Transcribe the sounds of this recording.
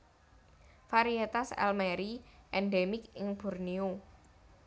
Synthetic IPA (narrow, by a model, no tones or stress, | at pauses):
faɾiet̪asɛ̰lmɛɾiʔɛnɖemɪkɪŋb̥ṳrnio